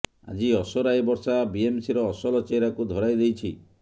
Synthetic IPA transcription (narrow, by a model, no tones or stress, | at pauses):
a̰d͡ʒiɔsɔɾajbɔɾsabiemsiɾɔːsɔlɔt͡ʃejɾakud̪ʱɔɾajd̪ejt͡ʃʰi